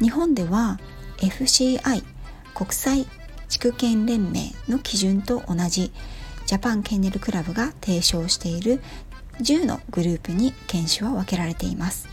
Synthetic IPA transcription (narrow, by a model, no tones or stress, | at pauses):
ɲ̟ihõ̞nd̪e̞βa | e̞ɸɯ̟ɕiːai | ko̞kɯ̟̥sai | t͡ɕi̥kɯ̟kẽ̞nɾẽ̞mːe̞̰ːno̞kʲiʑɨ̃nt̪o̞ʔonaʑid͡ʑapãŋkẽ̞nːe̞ɾɯ̟kɯ̟ɾabɯ̟ɡat̪ʰe̞ːɕo̞ːɕi̥t̪e̞iɾɯ̟ | ʑɨːno̞̰ɡ̥ɯ̟ɾɯ̟ːpɯ̟ɲ̟ikẽ̞ɰ̃ɕɨβaβake̞ɾaɾe̞t̪e̞imasɨ̥